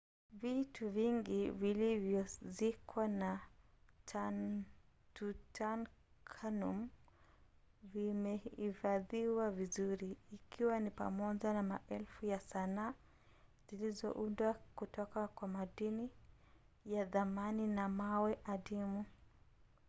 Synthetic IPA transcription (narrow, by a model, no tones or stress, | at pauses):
vituviŋɡivilivjɔzikwana | t | tutʰan | kʰanum | vimɛifaðiwavizuɾiːkʰiwanipa̰mɔʄanamaʔɛlfujasana | z̥ilizɔ̰ʔundwakutɔkakwamaɗini | jaðamaninamawɛʔaɗimu